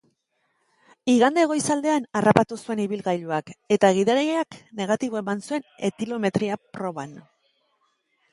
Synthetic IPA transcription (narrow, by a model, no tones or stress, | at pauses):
iɣand̪eɣ̞o̞jsald̪e̞anarapat̪usue̞niβilɣajʎuake̞t̪aɣ̞iðaɾeakne̞ɣ̞at̪iβ̞o̞e̞mansue̞ne̞kilo̞me̞t̪ɾiapɾo̞βan